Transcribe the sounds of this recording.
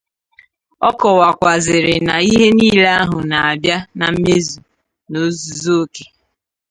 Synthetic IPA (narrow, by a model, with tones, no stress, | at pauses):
ɔ˦kɔ˨wa˨kʷa˨zɪ˨ɾɪ˨na˨i˦ɦe˦niː˦le˦a˦ɦʊ˨na˨a˨bja˦na˨m̩˦me˦zu˨ | no˦zu˨zo˦o˦ke˨